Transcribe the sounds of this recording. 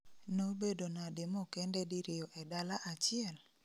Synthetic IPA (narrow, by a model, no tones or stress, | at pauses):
nobedonadɪmɔkɛndɛdɪɾɪɔʔɛdalaʔat͡ʃɪɛl